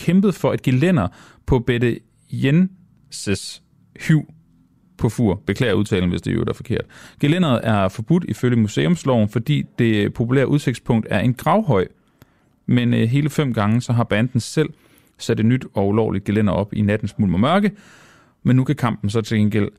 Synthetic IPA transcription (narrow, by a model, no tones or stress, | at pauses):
kʰemb̥əð̞̩ˠfɒ̽e̝d̥̚ɡ̥ilen̰ɐ | pʰɒ̽b̥edə | jen | səs | hyʊ̰ | pʰɒ̽fuɐb̥e̝kʰlɛ̰ːɐuðˠt͡sʰɛ̰ːln̩ʋe̝sd̥e̝o̰d̥æfɒ̽kʰe̝ɐ̰d̥ɡ̥elen̰ɐð̞̩ˠæɐfɒ̽b̥ud̥iføljəmuse̝ːɔ̽mslɒʊn̩fɒ̽d̥ḭːd̥e̝pʰo̝pʰulḛɐʔuð̞ˠse̝ɡ̥spʰɔ̽ŋ̰d̥æɐe̝nɡ̥ʁɑ̈ʊɦɒ̽ɪ̰ | menɦe̝ːləfem̰ɡ̥ɑ̈ŋəsɒ̽ɦɑ̈b̥ænd̥n̩sel̰ | sæd̥nyd̥ɒ̽ulɒʊlid̥̚ɡ̥ilen̰ɐɒ̽b̥inæd̥n̩smulmɒmɶɐɡ̥ə | menːukʰækʰɑ̈m̰b̥n̩sɒ̽t͡sʰe̝lɡ̥enɡ̥el̰